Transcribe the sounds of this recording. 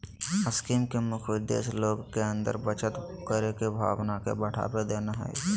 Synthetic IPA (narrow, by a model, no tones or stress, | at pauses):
əskiːmkemʊkʰwɪd̪ḛːsloːɡkeə̃nd̪ə̰ɾbət͡ʃət̪kəɾekebʱa̰ːwnakḛbəʈʰa̰ːped̪eːnaɦɛ̰